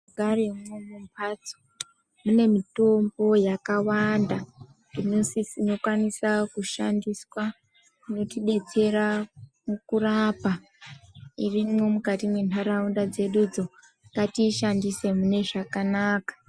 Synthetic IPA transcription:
ɡʱaremomumpʰat͡so̥ | mune̞mito̞mbo̞jakawanda | ninosisino̞kwanisakuʃandiswa | notiɓe̞t͡se̞ɾamukurapa | irimo̞mukatimwenaɾaundad͡ze̞ɗud͡zo̞ | ŋɡatiʃandise̞mune̞ʐakanaːkḁ

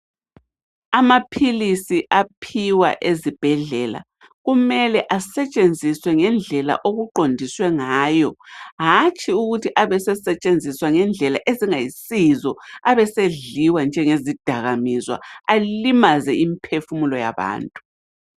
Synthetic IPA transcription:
amapʰilisiʔapʰiwa̰ʔezib̥ʱɛɮɛla̰ | ɣumɛlɛʔasɛt͡ʃʼend͡zʱiswɛŋɛnd͡ɮʱɛla̰ʔoɣuǃʱondʱiswɛŋaːjɔɦat͡ʃʼiuɣutʰiʔaβɛsɛsɛt͡ʃʼend͡zʱiswaŋɛnd͡ɮʱɛlaʔeziŋajisizɔaβɛseɮiwand͡ʒʱɛŋezid̥ʱaɣamizwa̰alimazɛimpʰefumulɔja̰βa̰ːntʼu

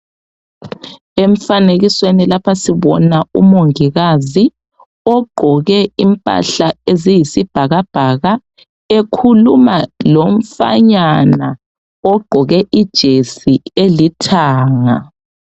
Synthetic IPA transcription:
eɱ̩faneɣiswenilapʰasiβɔ̰naṵmoŋiɣazi | ɔɡ͡ǃ̥ʱɔɣɛimpʼa̰ɬaezijisib̥ʱaɣab̥ʱaɣa | ekʰulumaloɱfa̰ɲana | ɔɡ͡ǃ̥ʱɔɣɛʔid̥ʒ̥ʱesielitʰaːŋa̰

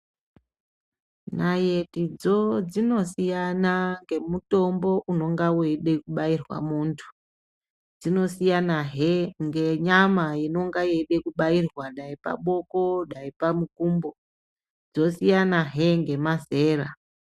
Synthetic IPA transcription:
naje̞tid͡zod͡zino̞sijanaŋɡe̞muto̞mbo̞ʔuno̞ŋɡaweɗe̞kuɓairwa̰muːntʰu̥ | d͡zino̞sijanaɦeŋɡeɲamajino̞ŋɡaje̞ɗe̞kuɓairwaɗaipa̰ɓo̞ko̞ɗaipamukuːmbo | d͡zo̞sijanaɦe̞ŋɡe̞maze̞ːra

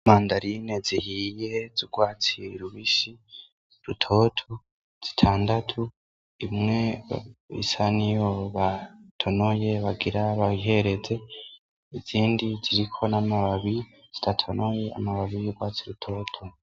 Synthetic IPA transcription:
maːndaɾine̞zihije̞zuɡwaːt͡siɾuβiʃi | ɾutʰo̞tʰu | z̥i̥tʰaːndatʰu | imŋe̞ | ḭsanijoβatʰo̞noje̞βaɡiɾaβaiɦe̞ɾe̞d͡ze̞ | iziːndiziɾikʰo̞namaβaβi | z̥i̥tatʰo̞nʔo̞je̞a̰maβaβijuɡwaːt͡siɾutʰo̞ːtʰo

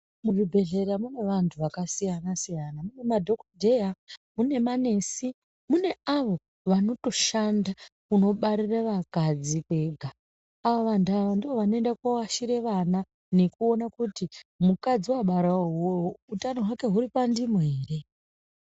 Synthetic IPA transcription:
muʐibʱe̞ɮe̞ɾamune̞ʋantʰuʋakasijanasijanamune̞madʱo̞kodʱe̞jamune̞mane̞ːsi | mune̞aʋo̞ | ʋano̞to̞ʃandakuno̞ɓaɾiraʋakad͡zikwe̞ːɡʱaː | ʋoʋantuaʋandiʋo̞ʋano̞e̞ndakwawaʃiɾe̞ʋana | ne̞kuo̞nakutimukad͡ziwaɓaɾaoɦooutanoɦwake̞ɦuɾipandimeːre̞

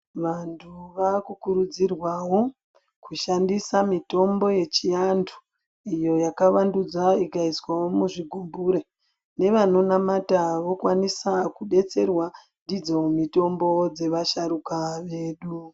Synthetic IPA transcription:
ʋantʰuʋakukuɾud͡zirwawo̞ | kuʃandisamito̞mbo̞je̞t͡ʃijandʰu̥ | ijo̞jakaʋandud͡zaikaiswawo̞muʐiɡʱumbuɾe | ne̞ʋano̞namataʋo̞kwanisakuɗe̞t͡se̞rwa | ndid͡zewomito̞mbo̞d͡ze̞ʋaʃaɾukaʋe̞ːɗu

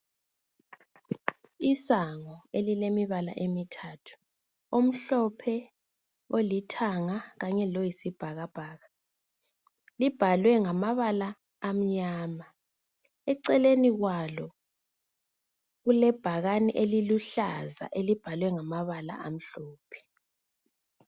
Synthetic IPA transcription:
isaŋɔelilemiβala̰ʔemitʰaːtʰu̥ | om̩ɬɔpʰɛ | olitʰaŋaɣaɲɛlojisib̥ʱaɣab̥ʱaːɣa | lib̥ʱalwɛŋamaβalaː | m̩ɲaːma | ɛǀɛleniɣwalɔ | ɣulɛb̥ʱaɣaniʔeliluɬaza̰ʔelib̥ʱalwɛŋamaβala̰ʔam̩ɬɔːpʰɛ̥

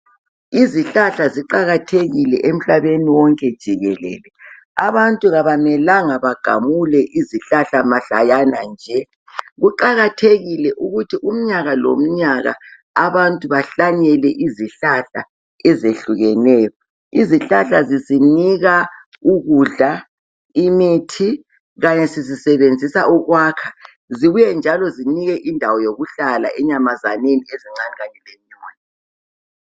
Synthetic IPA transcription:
iziɬaɬaziǃaɣatʰeɣilɛ̰ʔem̩ɬaβeniwɔŋkʼɛd̥ʒ̥ʱiɣɛlɛ̰ːlɛ | aβantʼuɣaβamɛlaŋaβaɡ̥ʱa̰mulɛʔiziɬaɬamaɬa̰janand͡ʒʱɛ | ɣuǃaɣatʰeɣilɛʔuɣutʰiʔum̩ɲaɣalo̰m̩ɲaɣa̰ | aβantʼuβaɬaɲɛlɛʔiziɬaɬa̰ | ɛzeɬuɣɛnɛːjɔ | iziɬaɬaziziniɣa | uɣuɮa | imitʰi | ɣaɲɛsizisɛβend͡zʱisaʔuɣwaːkʰa | ziβujɛnd͡ʒʱalɔziniɣɛʔindʱawɔjoɣuɬala̰ʔɛɲamaza̰nenieziŋ͡ǀaniɣaɲɛlem̩ɲɔːni

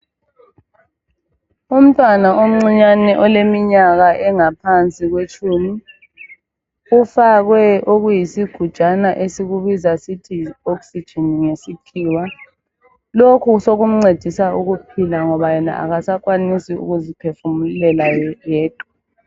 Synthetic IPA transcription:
um̩tʼwanaʔom̩ŋ͡ǀiɲanɛʔɔlemiɲaɣaʔɛŋapʰant͡sʼiɣwet͡ʃʼuːmi | ufaɣwɛʔoɣujisiɡ̥ʱud̥ʒ̥ʼanaʔesiɣuβizasitʰiɔksid̥ʒ̥ʱiniŋesipʰiːwa | lokʰusoɣum̩ŋ͡ǀed̥ʱisauɣupʰilaŋɔβajɛna̰ʔa̰ɣasakwanisiṵɣuzipʰefumulɛlajɛːd̥ʱʼɔ

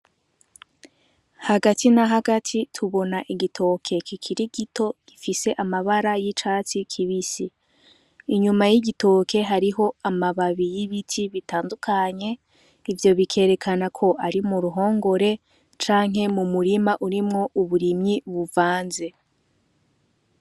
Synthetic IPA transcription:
haɡatʰinaɦaɡatʰitʰuβo̞naʔiɡitʰo̞kʰe̞kʰikʰiɾiɡitʰo̞ɡ̥ifise̞ʔamaβaɾajit͡ʃat͡sikʰiβisiː | ɲumajiɟito̞kʰe̞ɦaɾiɦo̞amaβaβijiβitʰiβitʰaːndukʰaɲe̞ | ivjo̞βikʰe̞ːɾe̞kʰanakʰo̞ʔaɾimuɾuɦo̞ːŋɡo̞ɾe̞ | t͡ʃaːŋ̥ɦe̞mumuɾimaʔuɾimŋo̞ʔuβuɾimɲiβuvaːnze̞

